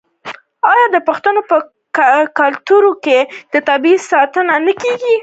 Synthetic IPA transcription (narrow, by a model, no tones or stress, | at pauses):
ɑjɑd̪əpəxt̪ənopə | kalt̪uɾoked̪̥ət̪abisɑt̪ənanəkeɡi